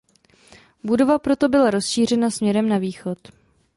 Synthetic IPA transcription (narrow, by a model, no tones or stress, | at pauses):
budo̞vapɾo̞t̪o̞bɪlaɾo̞sʃiːr̝ɛnasmɲɛɾɛmnaviːxo̞t̪